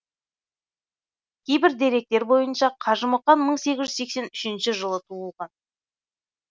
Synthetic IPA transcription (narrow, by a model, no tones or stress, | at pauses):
kʲʰe̞jbɪɾd̪e̞ɾe̞k̚t̪e̞ɾbo̞jənʃɑqʰɑʒəməqːɑnməɴse̞ɡʲɪzʒʏzse̞kse̞nʏʃɪnʃɪʒəlˠət̪ʰuəlˠʁɑn